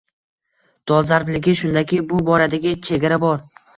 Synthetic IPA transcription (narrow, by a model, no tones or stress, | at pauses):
d̪̥ɒzaɾblɪɡʲɪʃʊnd̪akʲɪjbʊbɒɾad̪aɡʲɪt͡ʃʰe̞ɡʲaɾabɒɾ